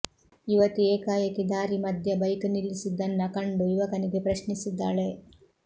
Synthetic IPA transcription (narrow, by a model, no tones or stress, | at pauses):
iʋɐt̪ueːkaːjɐkːid̪aːɾimɐd̪ʱjɐbɐjkunilːisid̪ːɐnːɐkɐɳɖuiʋɐkɐniɡepɾɐʃnisid̪ːaːɭe̞